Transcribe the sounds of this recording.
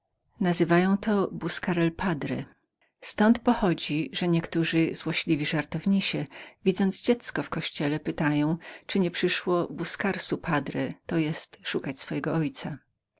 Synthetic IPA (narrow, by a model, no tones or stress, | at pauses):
nazɘvajɔ̃w̃t̪ɔbuskaɾɛlpʰad̪ɾɛ | st̪ɔnt̪pɔxɔd͡ʑiʐɛɲɛkt̪uʐɘzwɔɕlʲivʲiʐaɾt̪ɔvɲiɕɛvʲid̪zɔnd̪zd͡ʑɛt̪skɔfkɔɕt͡ɕɛlɛpɘt̪ajɔ̃w̃t͡ʂɘɲɛpʂɘʂwɔbuskaɾsupʰad̪ɾɛt̪ɔjɛst̪ʂukat͡ɕsfɔjɛɡɔɔjt̪sa